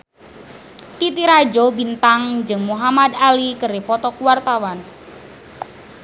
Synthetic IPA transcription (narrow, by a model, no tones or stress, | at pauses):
t̪it̪iɾad͡ʒobint̪aŋd͡ʒɨŋmuɦamad̪alikəɾepɔt̪ɔkuwart̪awan